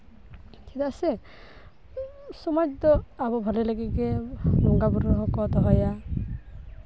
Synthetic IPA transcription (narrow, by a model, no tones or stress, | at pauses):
tʰit̪ase | sɔmajd͡ʒd̪ɔabɔbʱɔleleɡiɡemɔŋɡabuɾɔɦɔkɔt̪ɔɦɔja